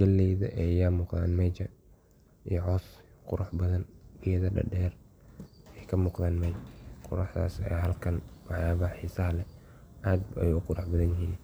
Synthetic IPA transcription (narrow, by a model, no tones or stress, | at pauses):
ɡɐlːɛjðɐ̰ʔɛjɐmuːqða̰ːnmɛt͡ʃɐ | ijɔʕɔːsqʊɾʊħbɐðɐnb̥ɪjɐðɐɖɐ̰ɖɛːr | ɛjkʰɐmuːqðaːnmɛjt͡ʃqʰʊ̰ɾɑħða̰ːsɛ̰ːɦɐlkʰɐnwɑħjaːβɐħiːsɐɦɐlɛ | ʔaːd̪̚ɛ̰jʊqʊɾʊħbɐðɐnjɪɦiːn